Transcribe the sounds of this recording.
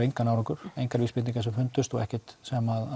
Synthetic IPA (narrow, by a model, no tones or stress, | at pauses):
ejŋkanawɾɔŋkʏɾ̥ejŋkaɾvispɪt̪niŋkasɛmfʏnt̪ʏst̪ɔɛhcɪt̪sɛmaða